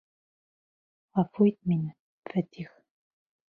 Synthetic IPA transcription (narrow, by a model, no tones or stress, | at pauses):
ɑfujt̪̚minɘ | fæt̪ʲix